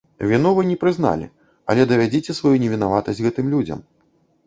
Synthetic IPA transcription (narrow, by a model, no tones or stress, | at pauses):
vʲinɔvɨnʲɛpɾɨzna̰lʲḭ | ɐ̰lʲɛd̪ɐvʲad͡zʲit͡sʲɛsvajunʲɛvʲinavat̪ɐsʲɣɛt̪ɨmlʲud͡zʲɐ̰m